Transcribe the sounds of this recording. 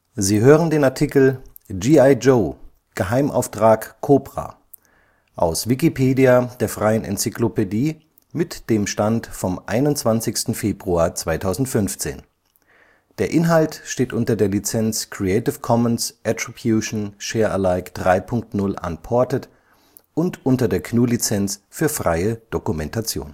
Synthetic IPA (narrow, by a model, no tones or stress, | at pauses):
ziːɦøːʁəndeːnaɐtʰikl̩ | d͡ʒiːaɪd͡ʒoː | ɡ̥əɦaɪmʔa̰ʊftʁ̥aːkkʰoːpʁ̥a̰ | ʔa̰ʊsv̥ikipʰeːdiad̥eːɐfʁ̥aɪənʔɛ̰nt͡siklopediː | mɪtd̥eːmʃtantfɔmʔa̰ɪnʊntt͡sv̥ant͡sɪçstn̩feːbʁuaɐt͡sv̥aɪtʰaʊzn̩tfʏnft͡sḛːn | d̥eːɐʔɪnɦaltʃteːtʔʊntɐdeːɐlit͡sɛnt͡skʰʁ̥iɛɪtɪfkʰɔmənsʔɛtʁ̥ibjuʃn̩ʃeːɐʔəlaɪkd̥ʁaɪpʰʊŋk̚tnʊlʔa̰npʰɔɐtət | ʔʊntʔʊntɐdeːɐkʰnuːlit͡sɛnsfyːɐfʁ̥a̰ɪəd̥okumɛntat͡sjo̰ːn